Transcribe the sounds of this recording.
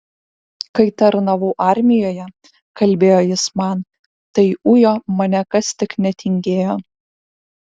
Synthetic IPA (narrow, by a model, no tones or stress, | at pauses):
kɐɪt̪ɐɾnɐʋʊːʔɑˑɾʲmʲɪjoːjɛ | kɐlʲbʲeːjoːjɪsmɑn | t̪ɐɪʊjoːmɐnʲɛkɐst̪ʲɪknʲɛt̪ʲɪŋʲɡʲeːjoː